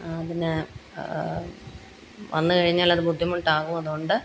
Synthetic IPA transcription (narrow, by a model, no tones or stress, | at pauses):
ɐðinɨ | ʋɐ̰nːɨkɐɻiɲːaːlɐðɨbud̪ʱːjimuʈːaːɣumɐðuoɳɖɨ